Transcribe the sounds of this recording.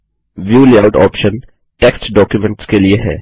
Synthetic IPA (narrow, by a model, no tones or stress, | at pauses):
ʋjuːliaʊʈɔ̰ːpʃən | ʈeːksʈɖɔːkjumɛ̃ɳʈskelieɦɛ̰ː